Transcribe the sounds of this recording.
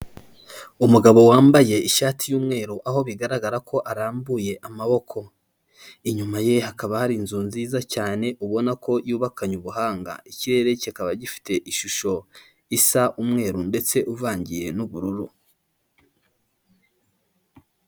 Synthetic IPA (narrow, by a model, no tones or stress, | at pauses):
umuɡaβo̞waːmbaje̞iʃaːtijuːmŋe̞ːɾuʔaɦo̞βiɡaɾaɡaɾakʰo̞ʔaɾaːmbuje̞ʔamaβo̞kʰo̞ | iɲumaje̞hakaβahaɾinzunziːzacaːne̞ʔuβo̞nakʰo̞juːβakaɲuβuɦaːŋɡa̰iciɾe̞ːɾe̞cikaβaɟifi̥te̞ʔiʃuʃo̞ | isaʔumŋe̞ːɾunde̞t͡se̞ʔuvaːɲɟije̞nuβuɾuɾu